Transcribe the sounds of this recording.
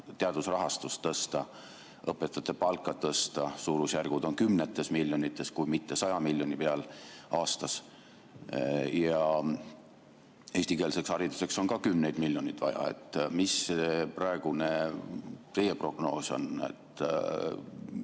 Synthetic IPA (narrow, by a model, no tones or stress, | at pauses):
t̪eɑd̪̥usrɑɦɑst̪ust̪ːɤst̪ɑ | ɤpːˑe̞t̪ːˑɑt̪ːˑepɑlkˑːɑt̪ɤst̪ɑsuːɾusjærɡ̥ud̪̥o̞nkymnet̪ːˑe̞smilʲjo̞nit̪ˑːe̞skujmit̪ːe̞sɑjɑmilʲjo̞nʲipeɑlɑːst̪ɑs | jɑ | e̞ːsʲt̪ike̞ːlse̞kshɑɾid̪̥use̞kso̞nkɑkymnejd̪̥milʲjo̞nʲid̪vɑ̰jɑ̰e̞̰t̪ːˑmiseprɑe̞ɡ̥une | t̪e̞jepro̞ɡ̥no̞ːso̞̰nḛt̪ː